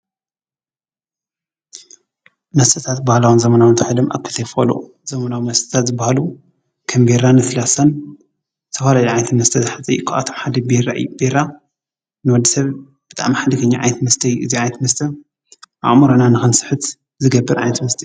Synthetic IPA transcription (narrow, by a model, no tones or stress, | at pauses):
nɐst̪ʰɐt̪ʰat̪bahlawɨnzɐmɐnawnt̪ʰaħlɐmʔa̰kʰːɨt̪ʰɐjfolṵ | z̥ɐmɐnawmɐst̪ɨ̥t̪ʰat̪zɨbːahalu | kʰɐmbeɾanɨslasan | zɨt̪ʰɐfalajuʕajnt̪mɐst̪ʰɐzɨħat͡sʼɐ̰jukʰaʔa̰t̪ʰo̞mħad̪ɐbeɾa̰ʔɨjubeɾa | nɨwɔd̪ːisɐβ | b̥ɨt̪ʼa̰ʕmiħad̪ɨkʰɐɲːaʕa̰jnt̪ʰmɐst̪ʰɐjuʔɨziʕajnɐt̪mɐst̪ʰɐ | ʔa̰ʔʼmoɾonanɨxɨnsɨ̥ħɨt̪ | zɨɡɐbːɨɾʕa̰jnɐt̪mɐst̪ʰɐ